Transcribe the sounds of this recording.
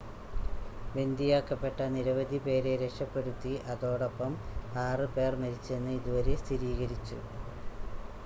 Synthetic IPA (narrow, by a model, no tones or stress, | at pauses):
be̞nd̪ijaːkːɐpːe̞ʈːɐniɾɐʋɐd̪ʱipe̞ːɾe̞ɾekʂɐpːe̞ɽut̪ːiʔɐðo̞ːɽo̞pːɐmaːrɨpe̞ːrmɐɾit͡ɕːe̞nːɨiðuʋɐɾe̞st̪ʰiɾiːɣɐɾit͡ɕːṵ